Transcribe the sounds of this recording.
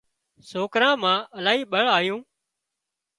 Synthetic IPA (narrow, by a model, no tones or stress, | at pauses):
soːkɾãːmãːəlaːɦiːɓəɭaːjũː